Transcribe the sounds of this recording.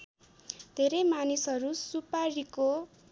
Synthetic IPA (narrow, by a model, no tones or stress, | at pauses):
d̪ʱeɾemanisɦʌɾusupaɾiko